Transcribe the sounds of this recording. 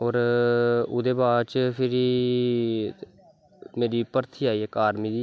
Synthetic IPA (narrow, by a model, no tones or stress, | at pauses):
ɔːɾ | ʊd̪eːbaːɾt͡ʃəpʰɪɾiː | meːɾiːpəɾt̪ʰiːaːiːɛkaːɾmiːd̪iː